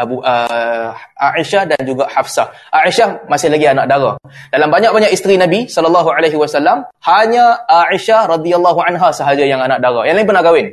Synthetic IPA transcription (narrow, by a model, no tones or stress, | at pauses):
abuʔə | aʔiʃahdand͡ʒuɡahafsah | ʔaʔiʃahmasɪhlaɡianak̚daɾadalambaɲak̚baɲakist̪ɾinabisɔləlːaɦualeɦiwasalːamhaɲãaiʃahɾad̪ialːaɦuanɦasəɦad͡ʒajaŋanãʔ̚daɾajãŋlaɪ̃ŋpənaɡawɪn